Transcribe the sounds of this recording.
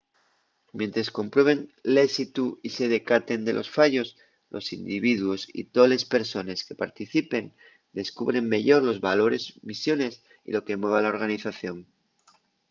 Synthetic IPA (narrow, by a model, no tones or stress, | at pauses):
mje̞nt̪ɾasko̞mpɾwe̞β̞e̞ŋlesit̪uise̞ð̞e̞kat̪e̞nd̪e̞lʔo̞sfaʝo̞s | lʔo̞̰sḭnd̪iβiðwo̞sḭt̪o̞le̞spe̞ɾso̞ne̞ske̞paɾt̪iθipe̞n | d̪e̞skuβ̞ɾe̞mːe̞ʝo̞ɾlo̞zβalo̞ɾe̞zmisjo̞ne̞s | ḭlo̞ke̞mwe̞β̞alao̞ɾɣ̞aniθaθjo̞ŋ